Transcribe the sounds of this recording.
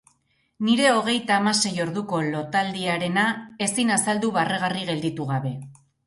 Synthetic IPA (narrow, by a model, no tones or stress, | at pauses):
niɾe̞o̞ɣ̞e̞jt̪aːmase̞jo̞ɾðuko̞lo̞t̪ald̪iaɾe̞nae̞sinasald̪uβareɣariɣe̞ld̪it̪uɣ̞aβe̞